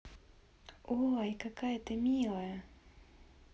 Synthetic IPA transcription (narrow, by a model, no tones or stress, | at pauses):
oaikakajət̪ɨmʲilˠəjə